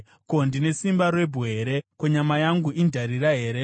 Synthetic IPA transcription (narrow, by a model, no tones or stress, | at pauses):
ko̞ndine̞simbaɾwe̞bʱoɦeɾe̞koɲamajaŋɡuʔindʱaɾiɾaɦe̞ːɾe